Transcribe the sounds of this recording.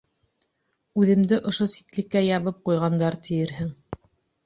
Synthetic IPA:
ʉðɘ̆md̪ɘʔŏʃosi̥t̪lɘ̆kːæjɑβɤp̚qujʁɑnd̪ɑɾt̪ʰɘ̆jɘ̆ɾɦɘŋ

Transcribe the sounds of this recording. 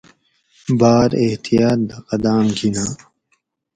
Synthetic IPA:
baːɾeht̪ijaːt̪̚d̪ɐqɐd̪aːmɡinaː

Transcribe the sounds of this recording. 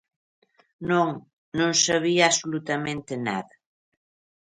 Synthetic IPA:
noŋ | nõŋsaβiaːsolut̪amẽnt̪ɪna̰ðɐ

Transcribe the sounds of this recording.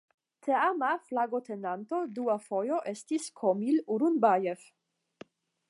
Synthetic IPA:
t̪ʰeamaflaɡot̪ʰenant̪od̪uafojoʔest̪iskʰomiluɾunbajef

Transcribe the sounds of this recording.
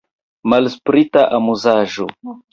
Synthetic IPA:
malspɾitaʔamuzaʒo̰

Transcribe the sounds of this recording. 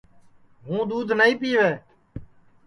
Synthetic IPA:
ɦũːd̪uːd̪ʱnəĩːpiːʋeː

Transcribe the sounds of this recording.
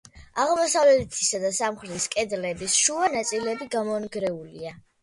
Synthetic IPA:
aʁmɔsavlɛlt̪ʰisad̪asamχɾɛt̪iskʼɛd̪lɛbisʃuanat̪sʼilɛbiɡamɔnɡɾɛulḭa

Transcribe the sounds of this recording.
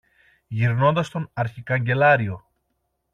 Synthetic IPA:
ʝiɾno̞nd̪ɐst̪o̞nɐɾçikɐɲɟe̞lɐɾio̞

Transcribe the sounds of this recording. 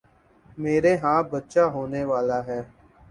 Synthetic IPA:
meːɾeːɦãːbətːʃaːɦoːneːʋaːlaːɦɛː

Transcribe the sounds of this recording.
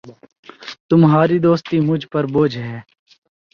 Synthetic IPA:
t̪ʊmɦaːɾiːd̪oːst̪iːmʊd͡ʒʱpəɾboːd͡ʒʱɦɛː

